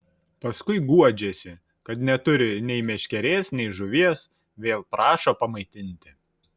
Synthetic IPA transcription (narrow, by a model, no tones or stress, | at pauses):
pɐskʊɪɡuɔd͡ʒʲeːsʲɪ | kɐt̪nʲɛt̪ʊɾʲɪnʲɛɪmʲɛʃʲkʲɛɾʲeːsnʲɛɪʒʊʋʲiɛs | ʋʲeːlˠpɾɑːʃoːpɐmɐɪt̪ʲɪnʲt̪ʲɪ